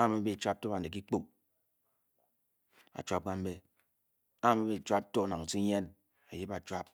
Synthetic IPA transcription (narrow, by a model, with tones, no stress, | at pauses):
a˦˨me˦be˦t͡ʃʷa˦p̚to˦ba˨n˨e˨k̬i˦k͡po˦ | a̰˨t͡ʃwʷa˦p̚ɡ͡ba˦m̩˦me˦ | a˦˨me˦be˨t͡ʃa˦p̚to˦˨na˨ŋ˨ti˦ɲe˦n | a˨ji˦ba˨t͡ʃwa˦p̚